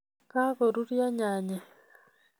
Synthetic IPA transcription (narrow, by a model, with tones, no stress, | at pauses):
ka˦kɔ˨ɾu˦ɾja˦ɲa˨ɲa˨